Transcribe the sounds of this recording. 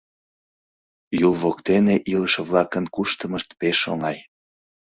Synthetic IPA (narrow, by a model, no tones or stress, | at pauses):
julˠβokt̪eneʔiləʃeβlɑkənkuʃt̪əməʃt̪peʃo̰ŋɑj